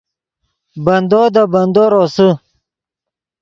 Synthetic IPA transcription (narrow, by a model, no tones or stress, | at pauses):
bɐnd̪oːd̪abɐnd̪oːɾosə